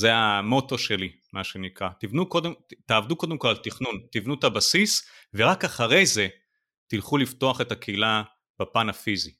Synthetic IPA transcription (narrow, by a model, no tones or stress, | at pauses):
zeamo̞to̞ʃe̞li | maʃe̞nikʁat̪ivnukodet̪aːvd̪uko̞d̪emko̞lalt̪iχnunt̪ivnut̪abasisveʁakaχaʁe̞jze̞ | t̪ilχulift̪o̞aχe̞t̪akeila | b̥apanafizi